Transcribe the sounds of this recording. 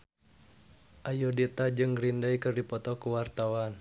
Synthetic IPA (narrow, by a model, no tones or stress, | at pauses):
ʔajodit̪ad͡ʒɨŋɡɾindaikɨrdipɔt̪ɔkuwart̪awan